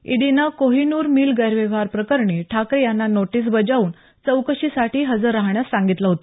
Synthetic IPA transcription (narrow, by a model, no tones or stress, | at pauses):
ḭɽinakoɦinuːɾmiːlɡəjɾʋeʋ̤aɾpɾəkəɾɳiːʈʰakɾjanːanoʈiːs̬bəd͡ʑauːn | t͡səwkəɕiːsaʈiːɦəd͡zəɾaɦɳjasãŋɡit̪laɦot̪a